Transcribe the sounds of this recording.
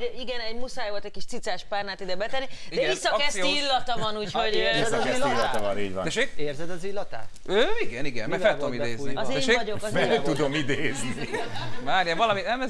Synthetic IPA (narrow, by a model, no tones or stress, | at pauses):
iɡɛnɛɟmusaːjvolt̪ɛc̚ʲkiʃt̪sit̪saːʃpaːrnaːt̪id̪ɛbɛt̪ɛnːidid̪ɛɡisːɒkɛsiiilːɒt̪ɒvɒnuːchoɟiɛɛilːiːniːɟvɔ̰d̪ɛʃekeːrzɛd̪ɒzilːɒt̪a̰ːt̪ | øːiɡɛniɡɛ̰nmɛfɛlt̪ud̪omid̪eːzniɒzeɛʃeɟokɛt̪ud̪omid̪eːznimaːɾjɛvɒlɒminɛmɛ